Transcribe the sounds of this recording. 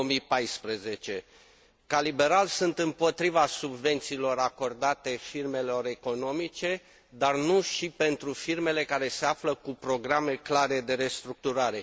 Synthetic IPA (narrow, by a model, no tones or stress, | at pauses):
omijpajspɾeze̞t͡ʃe̞ | kalibe̞ɾalsunt̪ɨmpo̞t̪ɾivasubve̞nt̪siːlo̞ɾako̞rd̪at̪e̞firme̞lo̞ɾe̞ko̞no̞mit͡ʃe̞ | d̪arnuʃipe̞nt̪ɾufirme̞le̞kaɾe̞se̞afləkupɾo̞ɡɾame̞klaɾe̞d̪e̞ɾe̞st̪ɾuk̚t̪uɾaɾe̞